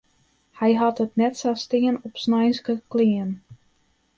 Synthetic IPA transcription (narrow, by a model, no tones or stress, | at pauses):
hɛjɦɑtətnɛtsastɪənɔpsnajnsɡəklɪən